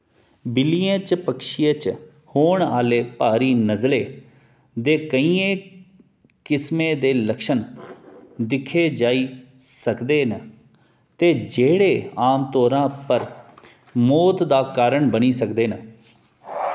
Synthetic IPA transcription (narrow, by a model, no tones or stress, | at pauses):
bɪliẽːt͡ʃpəkʃijat͡ʃ | hoːɳaːleːpaːɾiːnəzleː | d̪eːkəiːẽː | kɪsmẽːd̪eːləkʃən | d̪ɪkʰːeːd͡ʒaːiː | səkd̪eːnə | t̪eːd͡ʒeːɽeːaːmt̪oːɾãːpəɾ | moːt̪d̪aːkaːɾəɳbəniːsəkd̪eːnə